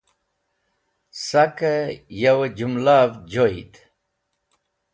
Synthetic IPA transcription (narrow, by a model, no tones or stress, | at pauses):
sɐkejɐwed͡ʑumlaːvd͡ʑoit̪